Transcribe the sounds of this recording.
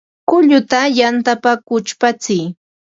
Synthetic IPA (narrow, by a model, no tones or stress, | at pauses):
kʊʎʊt̪ajant̪apakʊt͡ʃpat͡sɪj